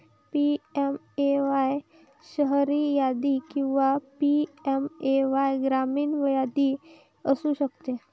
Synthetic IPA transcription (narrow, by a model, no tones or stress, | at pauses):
piem | eʋaj | ʃəɦɾijad̪ikĩw̃ʋapiemeʋajɡɾamiːnʋəjad̪i | əsuʃəkt̪e